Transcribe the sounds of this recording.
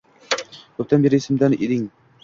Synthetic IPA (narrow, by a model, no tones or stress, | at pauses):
kʰɵp̚t̪anbeɾɪːsɪmd̪aned̪ɪŋ